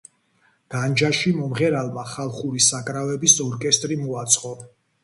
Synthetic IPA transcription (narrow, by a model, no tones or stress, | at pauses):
ɡ̥and͡ʒaʃimɔmʁɛɾalˠmaχalˠχuɾisakʼɾavɛbisɔɾkʼɛst̪ʼɾimɔat̪sʼqʼɔ